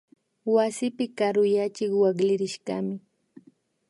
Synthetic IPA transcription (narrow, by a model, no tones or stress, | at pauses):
wasɪpɪkaɾʊjat͡ʃɪkwaklɪɾɪʃka̰mɪ